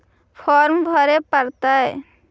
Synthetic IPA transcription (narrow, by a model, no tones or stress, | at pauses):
pʰɔɾmbʱɔɾepaɾt̪ae